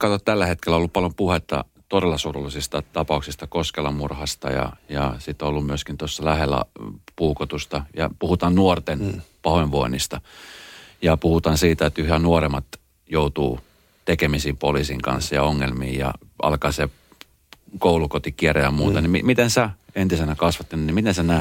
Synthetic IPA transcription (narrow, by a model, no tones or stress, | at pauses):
kɑt̪ot̪t̪ælːæhet̪kelːæolːuppɑljompuhet̪ːɑ̰ | t̪odelːɑsuːrulːisist̪ɑt̪ɑpɑuksist̪ɑkoskelːɑmurhɑst̪ɑ̰jɑ̰jɑsit̪ːolːummyøskint̪osːɑlæhelːæ̰puːkot̪ust̪ɑjɑ̰puhut̪ɑːnnuort̪enpɑhoeʋʋoinist̪ɑ | jɑpuhut̪ɑːnsiːt̪æet̪yhænuoremɑt̪ | jout̪uː | t̪ekemisiːmpolisiŋkɑ̰̃nsːɑjɑ̰oŋːelmḭːjɑ̰ʔɑ̰lkɑːseː | koulukot̪ikierejɑmuːt̪ɑnimḭmit̪ensæent̪isenækɑsʋɑt̪ːenɑnimit̪ensænæ